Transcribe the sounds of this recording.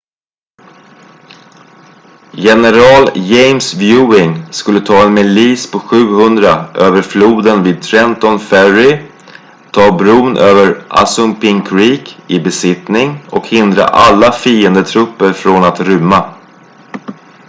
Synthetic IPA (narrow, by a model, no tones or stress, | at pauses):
jɛnəɾɑːljɛjmsvjʉːɪŋskɵlːət̪ʰɑːɛnmɛliːspʰɔɧʉ̟ːhɵnd̪ɾaʔøːvəɾfluːd̪ənviːd̪̚t̪ʰɾɛnt̪ɔnfæɾɪ | t̪ʰɑːbɾuːnʔøːvəɾʔa̰sɵmpɪŋkʰɾiːkɪbɛsɪt̪nɪŋɔkhɪnd̪ɾa̰ʔalːafiːənd̪ət̪ʰɾɵpːəɾfɾonat̪ɾʏmːa